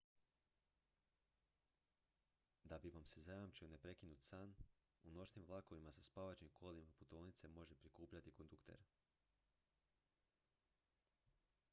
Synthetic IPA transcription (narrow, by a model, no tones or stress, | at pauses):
d̪abiʋamse̞zajamt͡ʃione̞pɾe̞kinut̪saːn | uno̞ʃnimʋlˠako̞ʋimasaspaːʋat͡ʃɲimkʰo̞limaput̪o̞ːʋnit̪se̞mo̞ʒe̞pɾikuːpʎat̪iko̞nd̪ukt̪e̞̰ɾ